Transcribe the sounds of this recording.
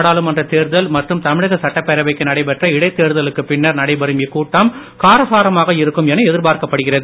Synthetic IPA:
ɽaːlɯmɐndrɐt̪eːɾðɐlmɐʈrɯmt̪ɐmɪɻɐɣɐsɐʈːɐpːɛɾɐʋɐɪkːɯnɐɽɐɪpɛʈrɐɪɽɐɪt̪eːɾðɐlɯkːɯpɪnːɐɾnɐɽɐɪbɐɾɯmɪkuːʈːaːm | kaːɾɐsaːɾɐmaːɣɐɪɾɯkːɯmɛnːɐɛðɪɾpaːɾkɐpːɐɽɯɣɪrɐðɯ

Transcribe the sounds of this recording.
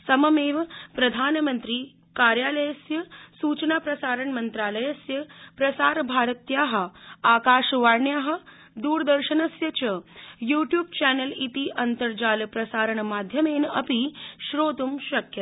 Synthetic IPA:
sɐmɐmeːʋpɾɐd̪ʱaːnmɐnt̪ɾiː | kaːɾjaːlɐjɐsjɐsuːt͡ʃnaːpɾɐsaːɾɐɳmɐnt̪ɾaːlɐjɐsjɐpɾɐsaːɾbʱaːɾɐt̪jaːɦɐ̆aːkaːʃʋaːɾɳjaːɦɐ̆ | d̪uːɾd̪ɐɾʃɐnɐsjɐt͡ʃɐjuːʈjuːb̚t͡ʃɛːnɐlit̪iʔɐnt̪ɐɾd͡ʒaːlpɾɐsaːɾɐɳɐmaːd̪ʱjɐmeːnɐpiʃɾoːt̪umʃɐkjɐ

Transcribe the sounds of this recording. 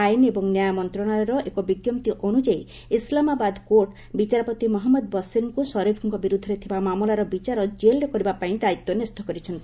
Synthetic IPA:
ajinebɔŋnjajamɔnt̪ɾɔɽ̃ajɔɾɔʔekɔbiɡjɔmt̪iʔonud͡ʒae | islamabad̪koɾʈ | bit͡ʃaɾɔpɔt̪imɔɦɔmːɔd̪bɔsinkusɔɾipʰuŋkɔbiɾud̪ʱːɔɾet̪ʰibamamɔlaɾɔbit͡ʃaɾɔd͡ʒelɾekɔɾibapaĩd̪ait̪ːɔnest̪ʰɔkɔɾit͡ʃʰɔnt̪i

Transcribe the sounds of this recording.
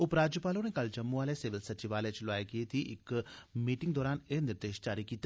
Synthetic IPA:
ʊpɾaːd͡ʒjupaːlõnekɐld͡ʒɐmːuaːlesɪʋɪlsɐt͡ʃɪʋaːlet͡ʃloaːekiet̪ʰiʔɪkmiːʈɪ̃ŋɡd̪ɔːɾaːneːnɪɾd̪eːʃd͡ʒaːɾikiːt̪e

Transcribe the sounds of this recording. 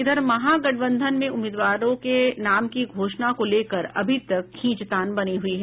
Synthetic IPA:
ɪd̪əɾmɐɦaɡɐʈ̚bə̃nd̪ʱənmẽʊmeːd̪ʋaːɾõkenaːmkiɡʱoːʃnakoleːkəɾɐ̰bʱit̪ɐkkʰːĩːt͡ʃt̪aːnbɐniɦʊiɦɛ

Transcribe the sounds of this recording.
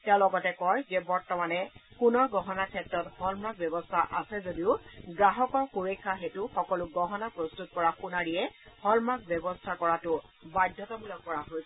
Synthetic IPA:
tɛʊ̃lɔɡɔtɛkɔjzɛbɔɹtɔmanɛpunɔɹɡɔɦɔnakʰɛtɹɔthɔlmɹak̚bjɔbɔstʰaʔasɛzodiʊɡɹaɦɔkɔɹkuɹekʰːaxetʊxɔkɔlʊɡɔɦɔnapɹɔstut̚kɔɹaxunaɹijɛhɔlmak̚bjɔbɔstʰakɔɹatʊ | badʱːɔtɔbulɔkːɔɹaɦojsɛ

